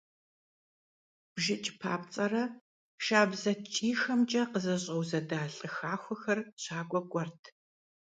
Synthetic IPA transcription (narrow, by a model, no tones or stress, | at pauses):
b̥ʒɪt͡ʃʼpʰa̰ːpt͡sʼɐrɐ | ʃaːbzɐt͡ʃʼiːxɐmt͡ʃʼɐqəzɐɕʼɐwzɐdaːɬʼɨxaːxʷʊxɐrɕaːɡʷʼɔɡʷʼɔrtʰ